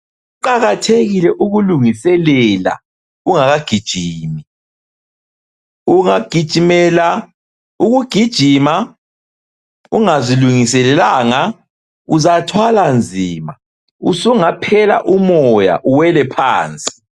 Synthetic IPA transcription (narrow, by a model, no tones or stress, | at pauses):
uǃaɣatʰeɣilɛʔuɣuluŋisɛlɛla̰ | uŋaɣaɡ̥ʱid̥ʒ̥ʱiːmi | uŋaɡ̥ʱid̥ʒ̥ʱimɛla | uɣuɡ̥ʱid̥ʒ̥ʱima | uŋaziluŋisɛlɛlaːŋa | uzatʰwaland͡zʱiːma | usuŋapʰɛla̰ʔumɔja̰ʔuwɛlɛpʰaːnt͡sʼi̥